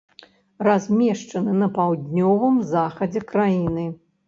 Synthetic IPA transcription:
razʲmʲɛʂt͡ʂɐnɨnɐpawd̪ʲnʲɔvɨmzaxɐd͡zʲɛkɾajinɨ

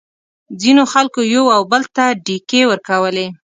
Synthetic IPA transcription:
d͡zinoxalkojawawbəlt̪aɖikewəɾkawəle

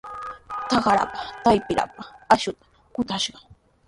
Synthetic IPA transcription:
t̪aɢaɾa̰pḁt̪ajpɪɾa̰paaʃʊt̪ḁ | kʊt̪aʃɢɑ

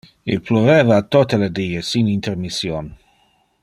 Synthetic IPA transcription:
ḭlploveːvaːt̪ːot̪eled̪iːesinint̪ermisjon

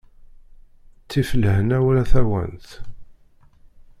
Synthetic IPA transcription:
t͡sːifələhnæwɾæθæwæ̰nt̪

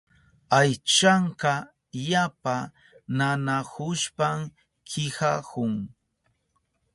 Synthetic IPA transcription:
ajt͡ʃaɴkɑ | japa | nanahʊʃpam | kʰɪhakʊŋ

